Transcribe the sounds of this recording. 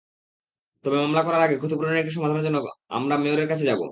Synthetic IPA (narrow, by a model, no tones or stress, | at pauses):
t̪obemamlakɔɾaɾaɡekut̪upɾoneekʈiʃ̬ɔmad̪ʱaneɾd͡ʑonːoa̰mɾameoɾeɾkat͡ɕʰed͡ʑabo̰